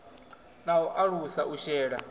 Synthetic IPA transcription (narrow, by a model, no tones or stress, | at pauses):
naɦɔʔaɺusaʔuʃɛːɺa